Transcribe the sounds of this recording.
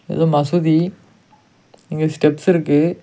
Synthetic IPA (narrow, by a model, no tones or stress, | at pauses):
ḛsomasʰud̪i | iŋɡesɯ̥ʈeps͈ɯɾɯke